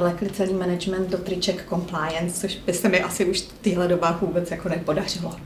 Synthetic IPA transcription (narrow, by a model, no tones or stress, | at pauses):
lɛklɪt͡sɛliːmɛnɛd͡ʒmɛnt̪dot̪ɾɪt͡ʃɛkːo̞mplajɛnst͡soʃbɪsɛmɪʔasɪuʃt̪iːɦlɛdo̞baːvuːbɛt͡sjakonɛpo̞dar̝̥ɪlo